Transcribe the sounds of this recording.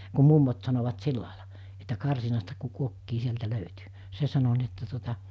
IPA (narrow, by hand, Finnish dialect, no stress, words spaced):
ku mumːot sɑnoʋɑt silːɑˑilɑ etːæ kɑrsinɑstɑ ku kuokːiː sieltæ løytyˑ se sɑno ni etːæ tuotɑ